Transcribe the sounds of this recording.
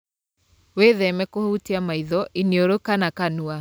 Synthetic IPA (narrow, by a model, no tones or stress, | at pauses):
weðɛmɛkohutiamaiðɔʔineoɾokanakanua